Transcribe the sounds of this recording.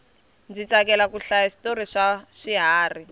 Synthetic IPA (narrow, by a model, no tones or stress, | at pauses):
nd͡zit͡sakɛlakuɬajaʂi̥toɾiʂaʂiɦaːri